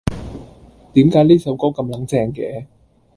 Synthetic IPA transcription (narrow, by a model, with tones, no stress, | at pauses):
t̪iː˨˥mkaː˨˥jliː˥sɐ˨˥wkɔː˥kɐ˧mlɐ˨˥ŋt͡sɛː˧ŋkɛː˨˥˦